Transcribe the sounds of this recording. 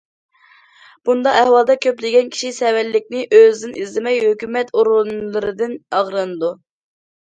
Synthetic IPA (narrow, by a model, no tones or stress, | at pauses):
b̥und̪ɑɛhwɑlˠd̪ɑkʲʰøplɪɡʲɛnkʲʰi̥ʃisɛwɛlːɪkʲnɪʔøzd̪ɪnizlɪmɛjhøkʲymɛt̪oɾʁʊnlˠɨɾɨd̪ɨnɑʁɾɨnɨd̪u